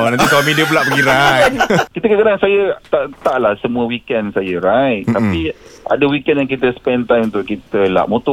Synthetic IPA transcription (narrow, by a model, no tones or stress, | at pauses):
onãnt̪it̪amĩdəpəlaʔbəɡiɾajkit̪əkəkəɾaŋsajət̪aʔt̪aʔlahsəmũəwikɛnsajəɾajʔt̪apiʔa̰dəwikɛnjaŋkit̪əspɛnt̪ajmunt̪ʊʔkit̪əla̰ʔmõt̪ʊ